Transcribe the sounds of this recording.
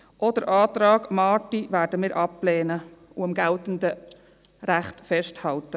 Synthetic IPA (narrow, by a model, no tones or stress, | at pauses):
ʔɔd̥əɾʔɑːt̪ɾɑːɡ̥mɑːtiʋæːɾdəmɪːɾʔɑpːlɛːnəuɑmɡæltəndə | ɾæχtfɛʃthɑltə